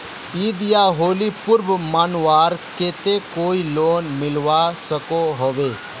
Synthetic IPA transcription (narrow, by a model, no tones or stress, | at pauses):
iːd̪ijaːɦoːlipʊɾbmaːnwaːɾkeːt̪ekoːiloːnmɪlʋasəkoɦoʋeː